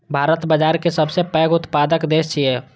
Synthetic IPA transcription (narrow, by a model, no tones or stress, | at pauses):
bʱaːɾət̪bəd͡ʒaːɾkesəbsepəɡʊt̪pad̪əkd̪eːst͡ʃʰie